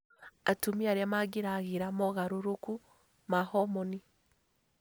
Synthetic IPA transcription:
atumiaɾiamaɡiɾaɣiɾamoɣaɾoɾuku | mahɔmoni

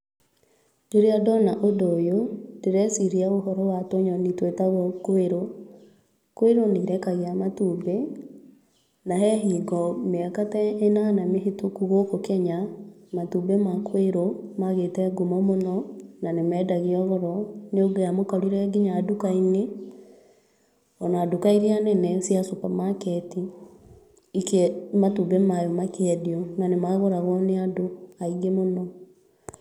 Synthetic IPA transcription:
d͡ʒoɾiadɔnaʔodoːjodeɾɛsiɾiaoɦɔɾɔwatoɲɔnitwetaɣɔkoeɾo | koeɾoniɾɛkaɣeamatuːbe | naɦɛɦiːɡɔmeakatɛenanameɦetokuɣokokɛɲamatubemakoeɾomaɣetɛɡomɔmonɔnanemɛːdaɣiɔɣɔɾɔneoɡojamokɔɾiɾɛɡiɲaːdukaine | ɔnaadukaiɾianɛnɛsjasopamakɛti | ikmatubɛmajɔmakeɛdiɔnanemaɣoɾaɣɔneadoaiɡemonɔ

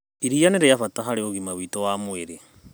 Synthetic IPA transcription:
iɾianeɾejafataɦaɾeoɣimawitowamweɾe

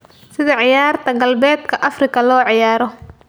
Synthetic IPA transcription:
sɪðɐʕɪjaːrt̪ʰɐɡɐlbɛːd̪kʰɐʔɐfrɪkʰɐlɔːʕɪjaːɾɔ

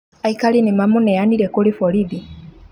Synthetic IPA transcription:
aikalinimamunejanilekulifoliði

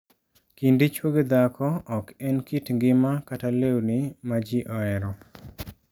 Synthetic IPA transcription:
kindit͡ʃwoɡed̪akʰɔɔkɛnkitŋɡɪmakatalewnimad͡ʒiʔɔɛɾɔ

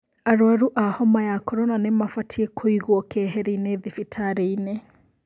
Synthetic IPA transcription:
aɾwaɾuʔahɔmajakɔɾɔnanɛmafatʰiɛkʰoiɣuɔkʰɛɦɛɾineðifitʰaɾeinɛ

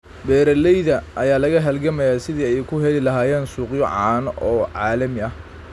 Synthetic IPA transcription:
bɛːɾɐlɛjðɐʔɐjaːlɐɣɐɦɐlɡɐmɐjaːsɪðiːɛjkʰʊɦɛlɪlɐɦaːjɛːnsuːqjɔʕɑːnʔɔːʕɑːlɐmɪɐh

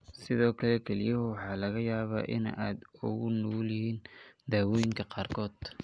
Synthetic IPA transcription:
sɪðɔːkʰɐlɛkʰɛlɪjɐhʊwɑħɑːlɐɣɐjaːβa̰ːʔɪ̰na̰ːd̪ʊɣʊnulɪhiːnd̪aːwɔjɪŋkʰɐqɑːrkʰɔːd̪̥

